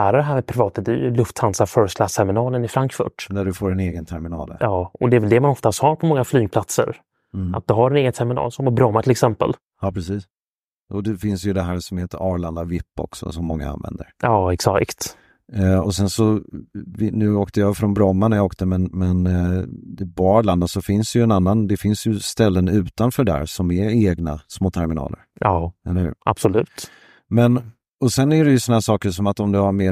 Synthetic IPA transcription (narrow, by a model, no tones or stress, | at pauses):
æːɾadɛɦæːɾmɛpʰɾɪvɑːt̪ad̪ɛlɵft̪hansafœɾskʰlast̪ʰɛɾmɪnɑːlənɪfɾaŋkfɵ̰ʈd̪æɖɵfoːɾɛneːɡənt̪ʰɛɾmɪnɑ̰ːljɑːɔd̪ɛːvɛld̪ɛmanɔft̪ast̪haɾpʰɔmɔŋːaflyːɡŋpʰlat̪sə̰ɾ | ʔa̰t̪̚d̪ɵɦaɾɛneːɡənt̪ʰɛɾmɪnɑ̰ːlsɔmabɾɔmːat̪ʰɪlɛksɛmpə̰l | jɑːpʰɾɛsiːs | ɔd̪ɛfɪnsjɵd̪ɛɦæːɾsɔmheːt̪əɾɑːɾland̪avɪpːɔ̰ksɔ̰sɔmːɔŋːa̰a̰nvɛ̰nd̪əɾjɑːɛksa̰kkt̪ | ɔsɛnsɔvɪnʉ̟ːoːkt̪əjafɾɔnbɾɔmːanajaoːkt̪əmɛnmɛn | bɑːɾland̪asɔfɪnsd̪ɛjɵɛnanːand̪ɛfɪnsjɵst̪ɛlːənʉ̟ːt̪anfœːɖæ̰ːɾsɔmɛɾeːɡnasmoːt̪ʰæɾmɪnɑ̰ːlə̰ɾʔɑːɛlːəhʉ̟ːɾʔa̰b̥sɔlʉ̟ːt̪ | mɛn | ɔsɛnːæɖɛjɵsɔnahæːʂɑːkəɾʂɔmat̪ɔmd̪ɛhaɾmeː